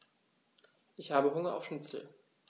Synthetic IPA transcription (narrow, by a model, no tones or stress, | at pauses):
ʔɪçhaːbəɦʊŋɐʔa̰ʊfʃnɪt͡sl̩